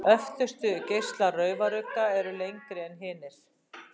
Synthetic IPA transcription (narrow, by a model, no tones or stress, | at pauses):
œft̪ʏst̪ʏcejst̪larœːɥvaɾʏkːaɛɾʏlejŋkɾɪɛnɦɪːnɪɾ̥